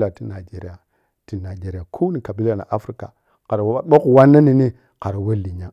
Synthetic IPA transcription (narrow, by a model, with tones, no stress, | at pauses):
la˨ti˦na˨d͡ʒe˦ɾi˦a˨ | ti˨na˨d͡ʒe˦ɾi˨a˨kʰu˦ni˨ka˨bi˦la˨na̰˨ʔa˦fɾi˦ka̰˨ | ka˨ɾa˨wa˦a˦ɓo˦ku˨wa˦na˦ni˨ni˦ | ka˨ɾa˨we˦li˨ɲa˦